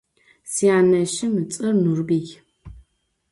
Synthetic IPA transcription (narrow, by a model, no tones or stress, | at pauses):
siaːnɐʃɪmɨt͡sʼɐrnurbiːɡʲ